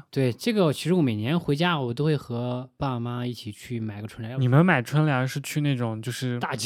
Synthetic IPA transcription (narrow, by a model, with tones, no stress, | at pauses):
t̪we˥˩ɪʈ͡ʂɤ˥˩ɡə˩t͡ɕʰi˧˥ʂɻ̩˧˥wɔ˧˥me˨˩ɪnjɛ˧˥nxwe˧˥ɪt͡ɕja˥wɔ˨˩t̪o˥ʊxwe˥˩ɪxɤ˧˥pa˥˩˨ma˥i˥˩t͡ɕʰi˨˩t͡ɕʰy˥˩ma˨˩ɪɡə˧ʈ͡ʂʰə˥nljni˨˩mə˦nma˨˩ɪʈ͡ʂʰwə˥nljɑ˧˥ʂɻ̩˥˧t͡ɕʰy˥˧ne˥˩ɪʈ͡ʂʊ˨˩˦ŋt͡ɕjo˥˧ʊʂɻ̩˥˩t̪a˥˩t͡ɕ